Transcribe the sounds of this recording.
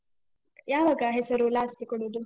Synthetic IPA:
jaːʋaɡɐɦɛsɐɾulaːsʈ̪ikoɽud̪u

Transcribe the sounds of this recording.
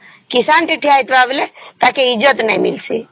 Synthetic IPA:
kisaːnʈiʈʰiaːit̪ʋablet̪akeɪd͡ʒət̪nãmḭlsḭ

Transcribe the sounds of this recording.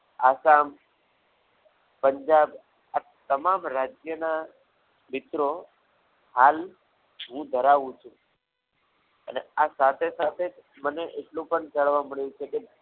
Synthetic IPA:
aːsaːm | pə̃ɲd͡ʒaːb | a | t̪ɐmãːmɾaːd͡ʒjəna | mɪt̪ɾo | ɦaːl | ɦũd̪ʱəɾaːʋũt͡ʃʰũ | əneasaːt̪ʰesaːt̪ʰe | məneʔeːʈlũpəɳt͡ʃəɽʋamɪɽ̃jũt͡ʃʰeke

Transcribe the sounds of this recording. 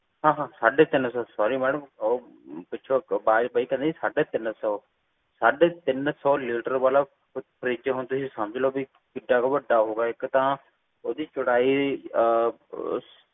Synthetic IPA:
ɦãːɦãːsaːɖet̪ɪnsɔːsɔːɾimɛːɽəmɔ | pɪt͡ʃʰobaːɾbəikɐ̃nd̪isaːɖeːt̪ɪnsɔː | saːɖet̪ɪnsɔːlɪːʈəɾbaːla | ʊpʰəɾiːd͡ʒeɦõːnd̪usisɐmd͡ʒɪlobi | kɪɖakaʋɐɖaɦoːɡaːɪkt̪a | od̪iːt͡ʃʊɽaːi

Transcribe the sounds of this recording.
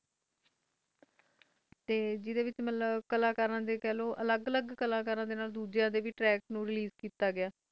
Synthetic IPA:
t̪eːd͡ʒɪd̪eːʋɪt͡ʃmət̪ləbkəlaːkəɾãːd̪eːkɛːloːʔələɡələɡkəlãːk̬əɾãːd̪eːnaːld̪uːd͡ʒãːd̪eːʋiːʈɾɛːknũːɾɪliːzkiːt̪aːɡɪaː

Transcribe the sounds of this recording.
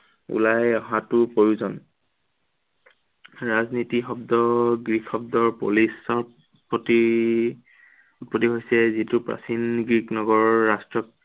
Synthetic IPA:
ṵlajɔɦatʊpoɹiuzɔn | ɹaznitixɔb̚dɔɡɹikʰɔb̚dɔɹpolisɔ | pɔti | pɹotiɦojsɛzitʊpɹa̰sinɡɹiknɔɡɔɹɔːastɹɔk̚

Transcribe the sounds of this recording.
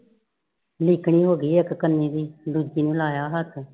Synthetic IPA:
lɪːkɳ̃iːɦoːɡiːəkkənːĩːd̪iːɖ̪uːd͡ʒiːnũːlaːjaːɦət̪ʰ

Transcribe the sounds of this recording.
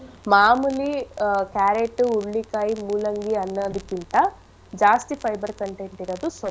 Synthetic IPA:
maːmulikaːɾeʈːuuɭːikaːjimuːlɐŋɡiɐnːɐd̪ukint̪ɐ | d͡ʒaːsʈipʰɐjbɐɾkɐɳʈejɳʈiɾɐd̪uso

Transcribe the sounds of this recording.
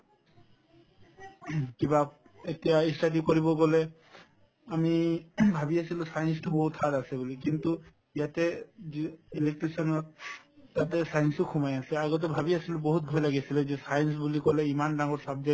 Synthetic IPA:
kiba | etijaisʈaʈ̬ikoɹibɔɡɔle | amibʱabiasilusajnstobɔɦut̪ʰaɾasɛbulikint̪u | ijat̪eiilek̚ʈɾisɔnɔt̪̚ː | at̪esajnsukʰumajasɛaɡɔt̪̬ebʱabiasilubɔɦut̪̚ɡʱɔjlaɡisʰilezesajns̬bulikɔleimanɖaŋɔɾsabd͡ʒa

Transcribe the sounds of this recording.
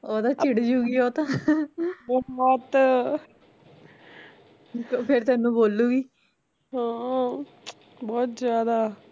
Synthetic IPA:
oːd̪aːt͡ʃɪɽd͡ʒuːɡiːoːt̪ãː | bɔbɔːt̪ | toːpʰɪɾt̪ɛ̃ːnũːboːlːuːɡiː | ɦãː | bɔːt̪zjaːd̪aː

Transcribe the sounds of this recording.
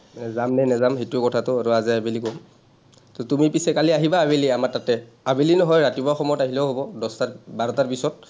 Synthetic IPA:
nɛzamnɛnɛzamɦetukɔtʰatʊaɹuaziabelikɔm | tɔtumipisɛkaliaɦibaːbeliamatatɛ | abilinɔɦɔjɹatibɔaxɔmɔjɔtaɦilɛʊɦobɔdɔstabaɹɔtaɹpisɔt̚

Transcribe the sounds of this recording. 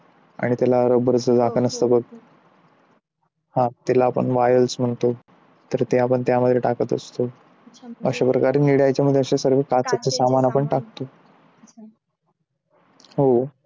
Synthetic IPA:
a̰ɽ̃it̪alaəɾəbəɾd͡zəd͡zakʰənəst̪əbəɡ̚ | hãt̪elaːpə̰ɳʋajəlsm̤əɳt̪o | t̪əɾt̪eapəɳt̪jaməd̪ʱːjeʈakət̪ə̰st̪o | əɕapɾəkaɾeniɽjajt͡ɕjaməd̪ʱjeəɕasəɾʋekat͡sat͡səsamanapəɳʈak̚t̪o | ɦo

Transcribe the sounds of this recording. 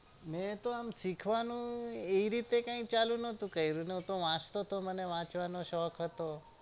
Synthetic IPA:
mɛ̃t̪oamsikʰʋanũeiɾit̪ekãĩt͡ʃalũnət̪ũkəiɾũnəut̪oʋãt͡ʃt̪ot̪oməneʋãt͡ʃʋanoʃɔkʰɦət̪o

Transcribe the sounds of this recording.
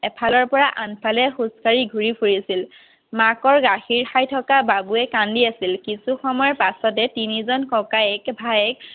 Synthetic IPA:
ɛpʰalɔɹpɔɹaʔanpʰalɛxuskaɹiɡʱuɹipʰuɹisil | makɔɹɡaxiɹxajtʰɔkababuɛkandiasilkisuxɔmɔjɔpasɔtɛtinizɔnkɔkaɛkbʱajɛk̚

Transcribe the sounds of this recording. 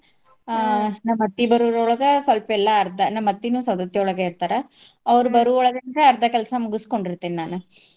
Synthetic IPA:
nɐmɐt̪ːibɐɾuɾɔɭɐɡɐsɐlpɐɛlːɐːɾd̪ɐnɐmːɐt̪ːinuːsɐd̪ɐt̪jɐɔɭɐɡɐiɾt̪aːɾɐ | ɐʋɐɾubɐɾuɔɭɐɡɐnd̪ɾeɐɾd̪ʱɐkɛlɐsɐmuɡusko̞ɳɖiɾt̪ːiːninaːnu

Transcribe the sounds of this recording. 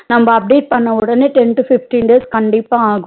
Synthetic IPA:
nɐmbɐɐp̚ɖeːʈ̚pɐɳːɐʋɯɽɐneːʈɛnʈufɪfʈinɖeːskɐɳɖɪpːaːaːɣʊ̃

